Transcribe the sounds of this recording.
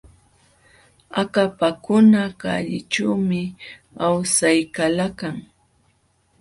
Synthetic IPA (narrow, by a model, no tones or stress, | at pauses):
akapakʊnaka̰ʎɪ̰ʈ͡ʂawmɪ | awsajkalakaŋ